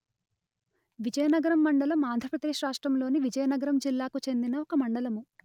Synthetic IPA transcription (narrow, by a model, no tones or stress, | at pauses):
ʋid͡ʒɐjɐnɐɡɐɾɐmːɐɳɖɐlɐmaːnd̪ʱɾɐpɾɐd̪e̞ːʂɾaːʂʈɾɐmlo̞ːniʋid͡ʒɐjɐnɐɡɐɾɐmd͡ʒilːaːkut͡ʃe̞nd̪inɐɔkɐmɐɳɖɐlɐmu